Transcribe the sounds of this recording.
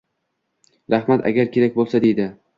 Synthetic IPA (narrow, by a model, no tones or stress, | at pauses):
ɾahmat̪ʰa̰ɡʲaɾkʲe̞ɾak̚ʲbolˠsad̪e̞jd̪ɪ